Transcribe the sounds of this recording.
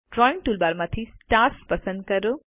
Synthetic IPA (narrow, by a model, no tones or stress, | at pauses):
ʈɾɔjɳʈuːlbaːɾmãt̪ʰisʈaːɾspɐsə̃nd̪̚kɐɾo